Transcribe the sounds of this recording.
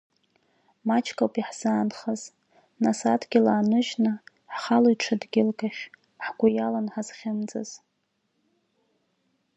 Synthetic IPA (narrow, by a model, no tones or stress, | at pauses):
mat͡ʃʰkʼawpʼiħz̥aːnχaz | nasatʰɡʲɪlaːnɨʒnɨ | ħχalojʈ͡ʂʰadɡʲɪlkʼaʃ | ħɡʷʊjalanħaz̥χʲɪmd͡zʼa̰z̥